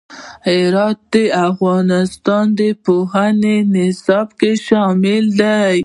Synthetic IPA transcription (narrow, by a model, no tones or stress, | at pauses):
hɪɾɑt̪̚d̪əafɣɑnɪst̪ɑnd̪əpoɦanenɪsɑbkeʃɑmɪld̪aj